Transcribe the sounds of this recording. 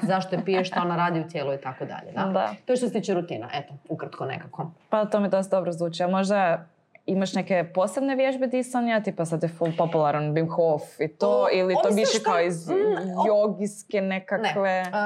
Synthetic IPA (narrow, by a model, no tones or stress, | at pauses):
zaʃt̪opijeʃt̪aonaɾaːd̪iut̪jeːlˠuit̪akod̪a̰ʎḛd̪ad̪a̰t̪oeʃt̪os̬et̪iːt͡ʃeɾut̪iːna̰ʔet̪oukɾat̪konḛkakopat̪oːmid̪ost̪d̪obɾozˠuːt͡ʃiamo̞ʒd̪a | imaʃnekeposɾebne̞ʋjeʒbed̪isanjat̪ipasad̪jefulpo̞pulˠaɾanbimxofit̪oilit̪oʋiʃekaoizjoɡiskenekankʋe